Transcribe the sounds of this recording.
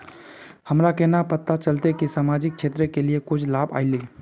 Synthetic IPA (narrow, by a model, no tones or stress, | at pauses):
həmɾakɛnapət̪ːat͡ʃəlt̪ekisaːmaːd͡ʒɪk̚ʃʰeːt̪ɾəkeliekʊt͡ʃʰlaːba̰ːɪle